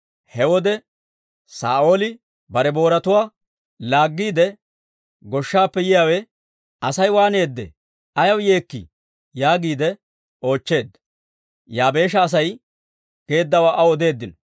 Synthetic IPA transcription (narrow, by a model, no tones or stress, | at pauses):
hɛwɔd̪ɛ | sa̰ːʔo̞ːlɪ | bɐɾɛbo̞ːɾɐt̪ʊwaː | laːɡːiːd̪ɛ | ɡɔʃːaːpːɛjɪjaːwɛ | ɐsɐjwaːne̞ːd̪ːɛ̰ | ɐjɐwje̞ːkːɪ̰ | jaːɡiːd̪ɛ | o̞ːt͡ʃːe̞ːd̪ːɐ̥ | jaːbe̞ːʃ̬ɐːs̬ɐj | ɡ̥e̞ːd̪ːɐwaːʔɐwɔd̪e̞ːd̪ːɪnɔ